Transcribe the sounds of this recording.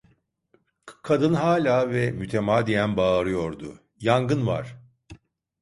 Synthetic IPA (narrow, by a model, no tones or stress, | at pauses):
kʰad̪ɯnɦaːlʲaːvɛmyt̪ʰemaːd̪ijænbaːɾɯjo̞ɾd̪ʊ | jaŋɡɯnva̰ɾ̥